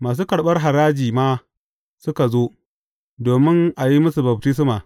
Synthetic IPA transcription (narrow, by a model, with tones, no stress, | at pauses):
maː˨s̬uː˦kɐ˨ɽɓɐ˦rɦa˨ɾaː˦d͡ʒiː˨maː˦ | sʊ˦ka˨zoː˦ | doː˨mɪ˦ŋʔa˨ji˦mʊ˦su˨bɐ˨b̚tɪ˦s̬maː˨